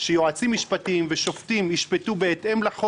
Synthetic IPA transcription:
ʃejoat͡simːiʃpatimveʃo̞ft̪imhiʃpetubeːt̪ʔe̞mlaχo

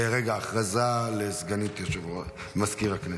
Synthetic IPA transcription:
eʁeɡaːχʁazalezɡanit̪jaʃev | maskiʁakne

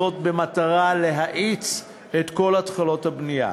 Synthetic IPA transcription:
o̞t̚be̞mataʁale̞ɦaʔit͡s | et̪ko̞latχalo̞thabnija̰

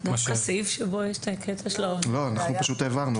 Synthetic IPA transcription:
d̪afkasifʃebojeʃtekʰet̪ʰaʃlolo̞anaχnupaʃut̪eːvaʁnu

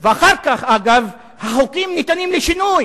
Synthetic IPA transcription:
veaχaʁkaχaɡav | haχokimnit̪animleʃinuj

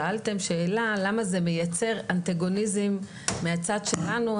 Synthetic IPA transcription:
aalt̪e̞mʃe̞ːlalamaze̞me̞jat͡se̞ʁant̪aɡo̞nizimː | eat͡sad̪ʃelanu

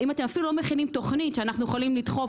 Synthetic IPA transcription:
imatemafilulomeχilimt̪o̞χnitʃeanaχnujeχolimlit̪χo̞

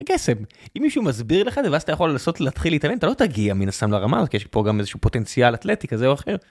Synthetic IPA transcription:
kese̞m | imːiʃumazbiʁleχazeveazat̪ajaχo̞lːaːso̞tleat̪χileitalenat̪alo̞t̪aɡiaminast̪amlaʁamazotkijeʃpoɡamezeʃupo̞t̪e̞nt͡sialat̪letikazeoaχe̞ʁ

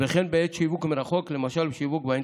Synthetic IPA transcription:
veχenbeet̪ʃivukmeɾaχoklemaʃalbeʃivukbaen

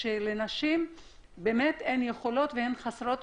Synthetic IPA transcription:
elenaʃim | beːmet̪enjeχo̞lo̞t̪veenχasɾot̪

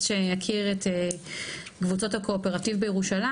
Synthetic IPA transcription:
ʃejakʰiʁete | ɡvut͡so̞thakʰo̞ːpe̞ʁativbejeʁuʃala

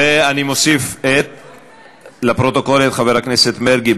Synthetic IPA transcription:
eanimosifet̪̚ | lapɾo̞t̪o̞ko̞let̪χaveɾakneset̪meɾɡi

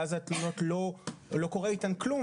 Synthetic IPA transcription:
azat̪munotlo̞lo̞ko̞ʁeitanklum

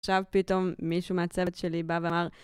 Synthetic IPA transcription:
ʃavpit̪o̞mːiʃumeat͡sevetʃelibaveamaʁ

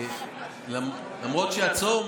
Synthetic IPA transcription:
lam | lamʁot̪ʃeat͡som

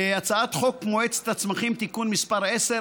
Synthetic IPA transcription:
at͡saat̪χo̞kmoet͡se̥t̪at͡smaχimt̪ikunmispaʁese

